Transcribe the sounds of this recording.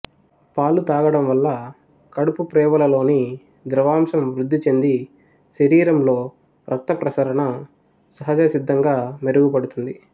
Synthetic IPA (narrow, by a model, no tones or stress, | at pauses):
paːlut̪aːɡɐɽɐmʋɐlːɐ | kɐɽupupɾɛːʋɐlɐlo̞ːni | d̪ɾɐʋaːmʃɐmʋɾud̪ʱːit͡ʃe̞nd̪i | ʃɐɾiːɾɐmlo̞ː | ɾʔɐt̪ːɐpɾɐsɐɾɐɳɐ | sɐɦɐd͡ʒɐsid̪ʱːɐŋɡaːmeɾuɡupɐɽut̪und̪i